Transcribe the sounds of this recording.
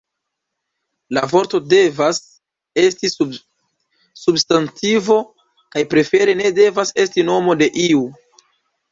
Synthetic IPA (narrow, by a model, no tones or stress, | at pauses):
lavo̞ɾto̞de̞vas | e̞sti | substantivo̞ | kajpɾe̞fe̞ɾe̞ne̞de̞vase̞stino̞mo̞de̞ʔiu